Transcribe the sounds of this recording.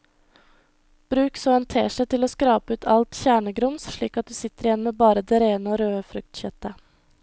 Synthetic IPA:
b̥ɾʉːksoːɛnt̪ʰḛːʂæɪt̪ɪloːskɾɑːpəʉːt̪ʰɑlt̪çæːɳəɡɾʊmsʃɭiːkɑt̪̚d̪ʉːsɪt̪əɾɪjɛnːmeːbɑːɾəd̪eːɾeːnəoːɾøːəfɾʉk̚t̪çœt̪ə

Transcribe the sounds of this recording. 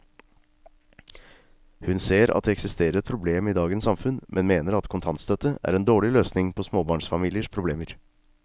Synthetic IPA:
hʉnseːɾɑ̰t̪̚d̪ɛɛksɪst̪eːɾəɾɛt̪̚pʰɾʊbleːmiːd̪ɑːɡənsɑmfʉnmʔɛnmeːnəɾɑt̪kʰʊnt̪ʰɑnt̪st̪œt̪əæ̰ɾɛnd̪oːɭɪløːsnɪŋpʰɔsmoːbɑːɳsfɑmiːlɪəʂpʰɾʊbleːməɾ

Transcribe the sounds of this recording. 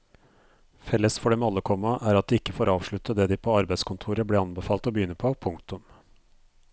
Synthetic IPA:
fɛlːəsfɔɖɛmɑlːəkʰɔmɑʔæːɾɑt̪̚d̪ɪːɪkːəfoːɾɑːʋʂɭʉt̪ːəd̪eːd̪iːpʰoːɑɾbæɪd̪skʊnt̪ʰuːɾəbleːɑnbəfɑːlt̪ɔbəjʏnːəpʰoːpʰʊŋk̚t̪ʊm

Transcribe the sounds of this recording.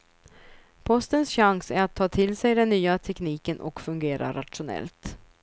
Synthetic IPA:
pʰɔst̪ənsɕaŋsæɾat̪ʰːɑːt̪ʰɪlsɛjd̪ɛnːyːat̪ʰɛkniːkənʔɔ̰kfɵŋɡeːɾa̰ɾat̪ʂʊnɛ̰lt̪

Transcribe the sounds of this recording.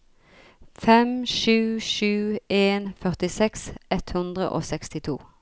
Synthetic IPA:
fɛmʃʉːʃʉːʔeːnfœʁt̪ɪsɛksɛt̪hʉnd̪ʁə̰ʔo̰ːsɛkst̪ɪt̪ʰṵː

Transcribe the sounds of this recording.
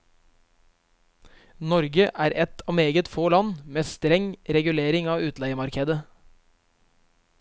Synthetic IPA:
nɔɾɡəʔæːɾɛt̪ʰɑːmeːɡət̪foːlɑnmeːst̪ɾɛŋɾɛɡʉleːɾɪŋɑːʉːt̪læɪəmɑɾkʰeːd̪ə

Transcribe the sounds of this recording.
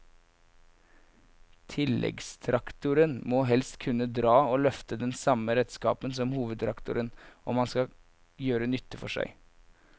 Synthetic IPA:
t̪ʰɪlːɛ̰ɡst̪ʰɾɑkt̪ʊɾənmoːɦɛlst̪kʰʉnːəd̪ɾɑːoːlœft̪əd̪ɛnsɑməɾɛt̪skɑ̰ːpənsɔmhuːʋəd̪t̪ʰɾɑkt̪ʊ̰ɾənʔɔmːɑnskɑ | jøːɾənʏt̪ːəfɔʂæ̰ɪ

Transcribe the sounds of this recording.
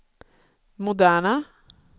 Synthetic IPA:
mʊd̪æːɳa

